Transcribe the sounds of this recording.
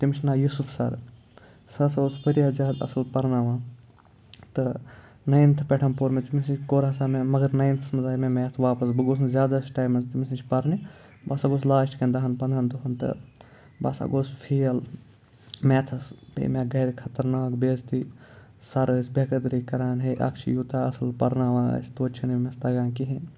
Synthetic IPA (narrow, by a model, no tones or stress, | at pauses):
t̪imit͡ʃʰʲnaːjusupʰsɐ̰ɾ | sɐsospəɾijazʲaːd̪ɐ̰sɨlpɐɾnaːʋãː | t̪ɨ | nɐjnt̪ʰɨpʲɛʈʰɐmpoːɾmet̪imisit͡ʃkoːɾɦɐsaːmemɐɡɐɾnɐjnt̪ʰɐsmɨzaːjmemeːt̪ʰʋaːpɐsbɨɡoːsnzʲjaːd̪asʈaːjmɐnst̪imisit͡ʃʰʲpɐɾni | basaːɡos̬laːʃʈkɐ̃nd̪aːɦɐnpɐnd̪ɐnt̪uɦɐnt̪ɨ̰ | ba̰ːsa̰ɡoːspʰiːɐl | meːt̪ʰɐspḛmẽɡɐɾkʰɐt̪ɐɾnaːkbeːzt̪i | sɐɾɨːsʲbʲɐkɐd̪ɾiːkɐɾaːnɦeʔɐ̰kt͡ʃʰḭjut̪aːɐsɨlpɐɾnaːʋã̰ːsʲt̪oːt͡ʃʰɐnemest̪ɐɡãːnkiɦĩ